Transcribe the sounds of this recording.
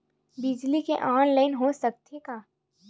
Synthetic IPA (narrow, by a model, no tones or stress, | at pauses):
bɪd͡ʒlikeʔaːnlaːɪnɦosɐk̚t̪ekaː